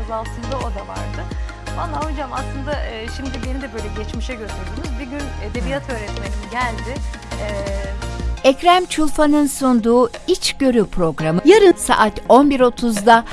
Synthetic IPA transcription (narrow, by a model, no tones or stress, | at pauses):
azalˠsɯnd̪ao̞d̪ava̰ɾd̪ɯ | banlːˠaːɦud͡ʒamaslˠɯnd̪aʔɯːʃimd̪ibe̞nid̪ɛbø̞jlʲɛɟɛt͡ʃmiʃɛɟøsʰyɾd̪ynyzbiɾɟyned̪e̞bijat̪ʰø̞ːɾɛt̪me̞ninɟælʲd̪ɪ | ɛ | ɛcɾamt͡ʃʰulˠfanɯnsund̪uːit͡ʃɟø̞ɾypʰɾo̞ɡɾamɯjaɾɯnsa̰ʔat̪o̞nbiɾo̞t̪ʰuzd̪a